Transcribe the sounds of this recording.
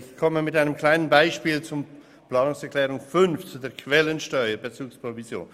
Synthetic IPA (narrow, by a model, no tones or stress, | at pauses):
ɪçkʰɔməmɪtaɪnəmkʰl̥aɪnənbaɪʃpiːlt͡sʊ | plɑːnʊŋsɛʁkʰlɛːʁʊŋfʏnft͡sudeːkʰv̥ɛlənʃtœʏəɾbet͡suːkspʁovizjo̰ːn